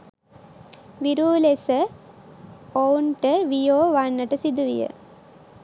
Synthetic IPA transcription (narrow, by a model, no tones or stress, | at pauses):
ʋiɾuːlesə | ownʈəʋijoːʋanːəʈəsid̪uʋḭjə̰